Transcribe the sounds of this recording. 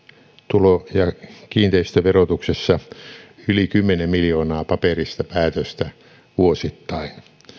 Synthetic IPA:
t̪ulojɑkiːnt̪eist̪øʋerot̪uksesːɑ | ylikymːenemmiljoːnɑːpɑperist̪ɑpæːt̪øst̪æ | ʋuosit̪ːɑin

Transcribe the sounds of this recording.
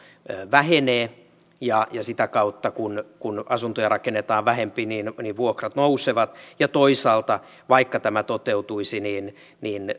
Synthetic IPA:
øʋæheneː | jɑjɑsit̪ækɑut̪ːɑkunkunɑsunt̪ojɑrɑkenːet̪ɑːʋʋæhempiniːnniʋʋuokrɑt̪nouseʋɑt̪jɑt̪oisɑːlt̪ɑ | ʋɑikːɑt̪æmæt̪ot̪eut̪uisiniːn | niːn

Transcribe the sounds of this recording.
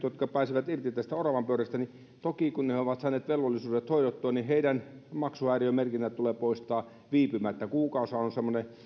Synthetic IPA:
jot̪kɑpæˑːsiʋæt̪irt̪it̪æst̪æorɑʋɑmpøyɾæst̪æni | t̪okikunneoʋɑt̪sɑˑiːneːt̪ʋelʋolːisuːdet̪hoiɾot̪ːoɑniheidæn | mɑksuæːriømerkinːætt̪ːuleːpoˑist̪ɑː | ʋiːpymæt̪ːækuːkɑˑusɑonsemːone

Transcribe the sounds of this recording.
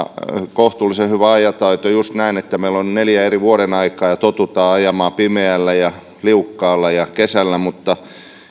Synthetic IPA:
koht̪ulːˑisehyʋæɑjɑt̪ɑit̪ojust̪næinet̪ːæmeilːonneljæeriʋuoɾenɑikˑɑːjɑt̪ot̪ut̪ɑːɑjɑmɑːpimeælːæjɑ | liukːɑːlːɑjɑkesælːæmut̪ːɑ

